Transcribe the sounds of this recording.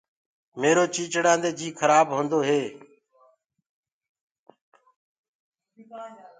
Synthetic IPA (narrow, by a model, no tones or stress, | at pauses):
meːɾoːt͡ʃiːt͡ʃɽãːnd̪eːd͡ʒiːkʰəɾaːbɦõːnd̪oːɦeː